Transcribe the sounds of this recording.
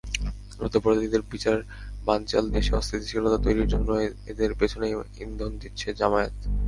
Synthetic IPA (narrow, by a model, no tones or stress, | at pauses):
ɾṵd̪ʱːopoɾod̪ʱid̪eɾbit͡ɕaɾeɾ | bant͡ɕa̰ld̪eʃeɔ̰st̪ʰit̪iʃilot̪at̪ojɾiɾd͡ʑonːoed̪eɾpet͡ɕʰonejḭnd̪ʱond̪it̪ːɕʰed͡ʑamaet̪